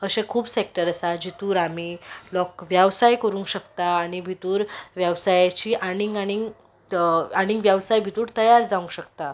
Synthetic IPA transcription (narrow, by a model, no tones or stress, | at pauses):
əɕɛ̃kʰuːbsek̚ʈəɾəsad͡ʑit̪uːɾamilɔkʋjaʋsajkəɾũŋkɕəkt̪aːɽ̃ibʱit̪uːɾʋjəʋsajat͡ɕiːʔaɽ̃iŋɡaɽ̃iŋɡ | aɽ̃ĩŋɡʋjaʋsajbʱit̪uːɾt̪əjaɾd͡zaũŋkɕəkt̪a